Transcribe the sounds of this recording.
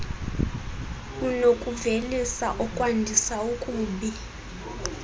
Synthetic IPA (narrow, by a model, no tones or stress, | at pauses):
kʼunokʼuvelisaʔɔkʼwandʱisaukʼuːɓi